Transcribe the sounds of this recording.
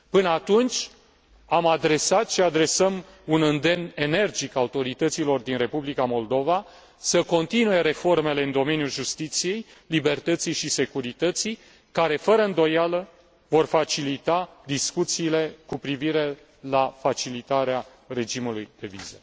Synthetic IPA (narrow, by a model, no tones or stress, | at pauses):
pɨnəat̪unt͡ʃʲ | amad̪ɾe̞sat̪ʃiad̪ɾe̞səm | unɨnd̪e̞mne̞ne̞rd͡ʒikaut̪o̞ɾit̪ət̪silo̞rd̪inre̞publikamo̞ld̪o̞va | səko̞nt̪inuje̞ɾe̞fo̞rme̞le̞ɨnd̪o̞me̞njulʒust̪it̪sije̞jlibe̞rt̪ət̪sijʃise̞kuɾit̪ət̪sij | kaɾe̞fəɾəɨnd̪o̞jalə | vo̞rfat͡ʃilit̪ad̪iskut̪siːle̞kupɾiviɾe̞ | lafat͡ʃilit̪aɾea | re̞d͡ʒimulujd̪̥e̞vḭzə